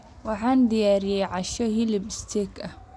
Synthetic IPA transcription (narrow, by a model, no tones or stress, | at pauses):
wɑħaːnd̪ijaːɾɪjɛjʕɑʃɔhilɪbst̪ʰɛkɐ